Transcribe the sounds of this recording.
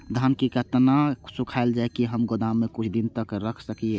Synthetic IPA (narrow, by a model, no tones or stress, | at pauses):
d̪ʱankikət̪nasʊkʰaeld͡ʒaekiɦəmɡod̪ãmːẽkʊt͡ʃʰd̪int̪əkɾəkʰsəkie